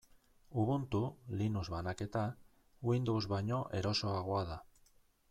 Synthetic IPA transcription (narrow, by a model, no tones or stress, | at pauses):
uβunt̪ulinuzβanaket̪a | wind̪owzβaɲoʔeɾosoaɣwaða